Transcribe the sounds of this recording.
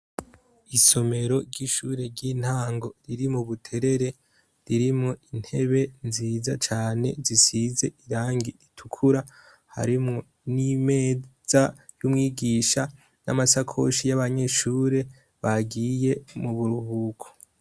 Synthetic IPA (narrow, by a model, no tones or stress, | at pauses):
iso̞me̞ɾo̞ɾɟiʃuːɾe̞ɾɟiːn̥haːŋɡo̞ɾiɾimuβutʰe̞ɾe̞ɾe̞ | ɾiɾimŋoin̥he̞βe̞nziːzat͡ʃaːne̞zisize̞iɾaːŋɡiitʰukʰuɾa | ha̰ɾimŋo̞ | nime̞ːz̥a | jumŋiːɡiːʃa | na̰masakʰo̞̰ʃijaβaɲe̞ʃuːɾe̞ | βaɡiːje̞muβuɾuhuːkʰo̥